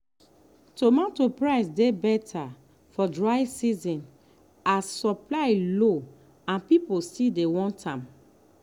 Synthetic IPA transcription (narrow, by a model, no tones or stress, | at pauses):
tomatopɹaɪsdebɛtʰa | fɔdɹaɪsizɔ̃n | asːɔplaɪlo | ãnpipostidewɔ̃ntʰãm